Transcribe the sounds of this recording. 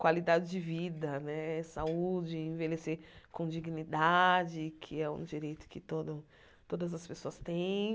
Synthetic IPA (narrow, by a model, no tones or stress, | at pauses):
kwalid̪ad͡ʒɪd͡ʒɪvid̪ɐnɛsaud͡ʒɪẽvelesekõd͡ʒiɡnid̪ad͡ʒɪkʰɪɛṵ̃d͡ʒiɾejt̪ʊ̥kɪt̪od̪ʊ | t̪od̪ɐzɐspesoɐst̪ẽj̃